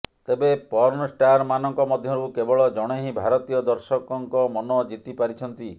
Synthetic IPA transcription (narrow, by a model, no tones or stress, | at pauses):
t̪ebepɔɾnɔsʈaɾmanɔŋkɔmɔd̪ʱjɔɾukebɔɭɔd͡ʒɔɽ̃eɦĩbʱaɾɔt̪ijɔd̪ɔɾsɔkɔŋkɔmɔnɔd͡ʒit̪ipaɾit͡ʃʰɔnt̪i